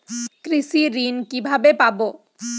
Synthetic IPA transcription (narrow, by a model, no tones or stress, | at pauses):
kɾisiɾinkibʱabepabo